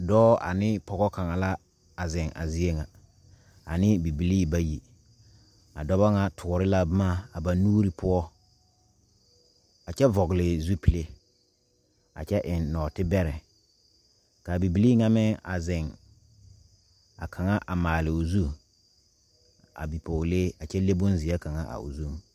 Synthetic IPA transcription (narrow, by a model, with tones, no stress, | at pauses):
dɔː˦a̰˨nɪ˦pɔ˨ɡɔ˦ka˨ŋa˨la˦ | a˨zɪ̃˨ŋa̰˨zi˦e˦ŋa˨ | a˨nɪ˦bi˨bi˨liː˦ba˦ji˨ | a˨dɔ˦ba˦ŋa˨tʰʊ˨ɾɪ˦la˦bma˦a˨ba˨nuː˦ɾi˦pʊ˦ɔ˦ | a˨t͡ʃɛ˦vɔ˨ɡɪ˨lɪ˨zu˦pi˨le˦ | a̰˨t͡ʃɛ˦ʔɪ˨nːɔː˨tɪ˦bɛ˦ɾɛ˨ | ka˨bi˨bi˨liː˦ŋa˦mɪ˦ŋa̰˨zɪ˨ŋ | a̰˨kʰa˨ŋa˦ʔa˨maː˨lɪ˨ʊ˨zu˦ | a̰˨bi˨pʰo˨le˦a˨t͡ʃɛ˦le˦bʊ˦nzi˨a˦ka˨ŋa˦ʔa̰˨ʊ̰˨zu˦˨ŋ˨